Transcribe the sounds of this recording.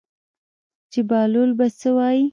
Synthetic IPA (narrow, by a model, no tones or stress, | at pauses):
t͡ʃebɑlolbat͡səwɑji